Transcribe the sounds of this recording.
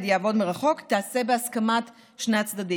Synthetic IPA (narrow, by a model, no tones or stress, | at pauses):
d̪jaavɔdməʁaχɔkt̪aasɛbeaskamat | ʃneat͡sd̪adi